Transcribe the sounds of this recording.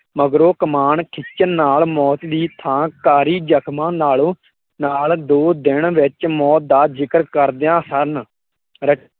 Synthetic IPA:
məɡɾoːkəmaːɳkʰɪt͡ʃənːaːlmɔːt̪d̪iːt̪ʰãːkaːɾiːd͡ʒəkʰmãːnaːloː | naːld̪oːd̪ɪɳʋɪt͡ʃmɔːt̪̚d̪aːzɪkəɾkəɾd̪jãːsəɾn | ɾə

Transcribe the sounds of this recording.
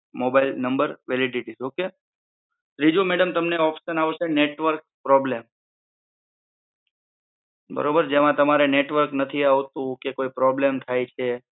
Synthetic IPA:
mobajlnəmbəɾʋeliɖiʈisoke | ɾid͡ʒumeɽəmt̪əmneɔpʃənaʋt͡ʃʰeneʈʋəɾk̚pɾɔblem | bə̰ɾobəɾd͡ʒemãt̪əmaɾeneʈʋəɾknət̪ʰiaʋt̪ũkekoipɾɔblemt̪ʰajt͡ʃʰe

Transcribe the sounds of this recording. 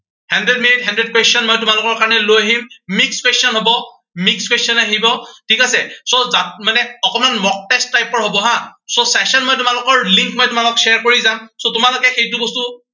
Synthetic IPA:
handɹɛdminitɦandɹɛd̚kwesɔnmɔjtʊmalʊkɔɹkaɹɔnɛlojaɦimmikskwesɔnɦobɔ | mikskwesɔnaɦibɔtʰikasɛsozamanɛɔkɔmanmɔk̚tɛstːajpɔɹɦobɔɦãsosɛsɔnmɔjtʊmalʊkɔɹliŋkmɔjtʊmalɔksɛaɹkoɹizamsotʊmalʊkɛxejt̬ʊbɔstu

